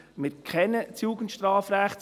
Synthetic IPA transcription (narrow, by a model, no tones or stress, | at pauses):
mɪɾkʰɛnət͡sjuːɡəntʃtɾɑːfɾæχtt͡s